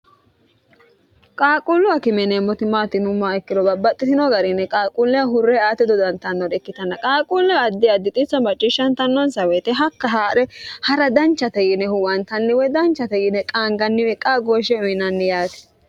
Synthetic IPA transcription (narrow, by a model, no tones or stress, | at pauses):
kʼaːkʼʊlːʊɐkɪmɛnɛmːɔt̪ɪmaːt̪ɪnʊmːaːɛkːɪd̪ɔbɐbːɐt̪ʼːɪt̪ɪnɔɡɐɾɪnːɛkʼaːkʼulːɛɐɦʊrːɛaːt̪ːɪd̪ɔd̪ɐnt̪ɐnːɔd̪ɛkːɪt̪ɐnːɐkʼaːkʼulːɛːd̪ːɪɐd̪ːɪt̪ʼɪt͡sːɐmɐt͡ʃʼːɪʃːɐnt̪ɐnːɔnsɐwet̪ɛɦɐkːɐɦaːʔɛhɐɾɐd̪ɐnt͡ʃːɐt̪ɛjɪnɛhʊwɐnt̪ɐnːɪwɛd̪ɐnt͡ʃːɐt̪ɛjɪnɛkʼaːŋɡɐnːɪwɛkʼːaɡoːʃːɛʊjnɐnːɪjaːt̪ɛ̥